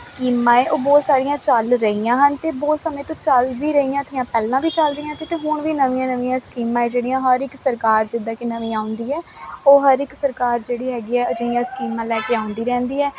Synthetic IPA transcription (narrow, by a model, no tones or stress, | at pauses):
skiːmãːeːʔoːbɔːt̪saːɾijãːt͡ʃəlɾəijãːɦənt̪eːbɔːt̪səmẽːt̪õːt͡ʃəlʋiːɾəɦiːãːt̪ʰɪ̃jãːpɛːlãːʋiːt͡ʃəlɾəiːãːt̪et̪eːɦʊɳʋiːnəʋĩːãːnəʋĩːãːskiːmãːeːd͡ʒeːɽijãːɦəɾɪksəɾkaːɾd͡ʒɪd̪ːãːkenəʋĩːaːʊ̃nd̪iːɛːoːɦəɾɪksəɾkaːɾd͡ʒeːɽiːɦɛːɡiːɛːəd͡ʒəjãːskiːmãːlɛːkeːaːʊnd̪iːɾɛ̃ːnd̪iːɛː